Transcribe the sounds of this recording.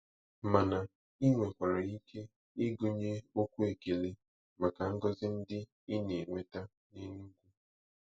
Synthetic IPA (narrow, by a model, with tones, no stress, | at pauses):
ma˨na˨ | i˦ŋʷe˨kʷa˨ɾa˨i˦ke˦ | i˦ɡo˨ɲe˦o˦kʷu˦e˨ɡe˨le˦ | ma˨ka˨ŋ̩˦ɡɔ˦zɪ˦n̩˦dɪ˦ | i˦ne˨ŋʷe˦ta˦ | ni˦nu˦ɡʷu˦